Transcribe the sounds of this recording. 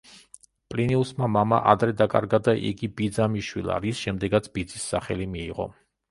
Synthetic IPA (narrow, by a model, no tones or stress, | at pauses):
pʼliniusmamamaʔa̰d̪ɾɛd̪akʼa̰ɾɡad̪aʔḭɡibid̪zamiʃwḭlˠa̰ɾisʃɛmd̪ɛɡat̪sʰb̥id̪zisːaχɛ̰limiːʁɔ̰